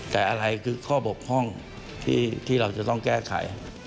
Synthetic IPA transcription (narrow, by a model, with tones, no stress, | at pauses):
t̪ɛː˨˩ʔa˧ɾa˧jkʰɯː˧kʰɔː˥˩bo˨˩p̚hɔ˥˩ŋ | t̪ʰḭː˥˩t̪ʰiː˥˩ɾa˧wt͡ɕa˨˩t̪ɔ˥˩ŋkɛː˥˩kʰa̰˨˩˦j